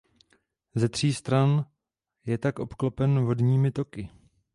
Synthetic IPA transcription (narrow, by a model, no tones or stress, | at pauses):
zɛt̪r̝̥iːst̪ɾan | jɛt̪akʔo̞pklopɛnvo̞dɲiːmɪt̪o̞kɪ